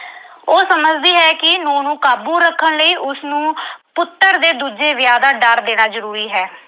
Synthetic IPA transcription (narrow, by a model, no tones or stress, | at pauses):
oːsəməd͡ʒd̪iːɦɛːkɪnoːnũːkaːbuːɾəkʰːəɳləiːʔʊsnũːpʊt̪ːəɾd̪eːd̪uːd͡ʒeːʋɪjaːd̪aːɖəɾd̪eːɽaːzəɾuːɾiːɦɛː